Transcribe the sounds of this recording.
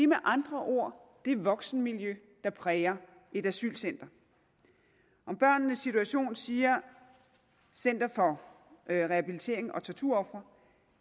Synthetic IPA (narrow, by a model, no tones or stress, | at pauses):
emeʔɑ̈nd̥ʁɐʔo̝ɐ̰d̥e̝ʋɒ̽ɡ̥sn̩miljø | d̥ɑ̈pʰʁɛːɐ | ʔe̝d̥æsy̰ːlsen̰d̥ɐ | ʔɒ̽mb̥ɶɐ̰nːəsːit͡sʰuæɕo̝̰ːnsiːɐ | sen̰d̥ɐfɒ̽ | ʁɛhæb̥ilit͡sʰe̝̰ɐ̰e̝ŋʔɒ̽t͡sʰɒt͡sʰuɐɒ̽fʁɐ